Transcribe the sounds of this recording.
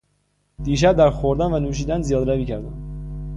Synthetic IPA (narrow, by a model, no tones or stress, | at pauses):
d̪̥iːʃ̬æb̚d̪æɾxoɾd̪ænvænuːʃ̬iːd̪ænzijɒːd̪ɾæviːcʰæɾd̪æ̰m